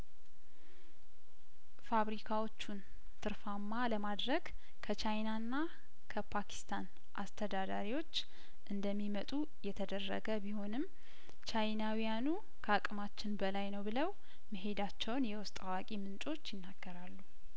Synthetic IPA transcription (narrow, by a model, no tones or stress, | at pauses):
faβɾikʰawo̞t͡ʃːun | t̪ʰɨɾfamːaləmad̪ɾəɡ | kʰət͡ʃʰajnanːa | kʰəpʰakʰi̥st̪ʰan | ʔa̰st̪ʰəd̪ad̪aɾiwo̞t͡ʃː | ʔɨnd̪əmːimət̪ʼu | jɛt̪ʰəd̪ərːə̰ɡəbiho̞nɨm | t͡ʃʰajnawijanu | kʰəakʼmat͡ʃːɪnbəlajnəwbɨləw | mɨɦe̞d̪at͡ʃːɛwnjɛwʊst̪ʼawakʼimɨnt͡ʃʼo̞t͡ʃːjɪnːaɡ̥ːəɾalːu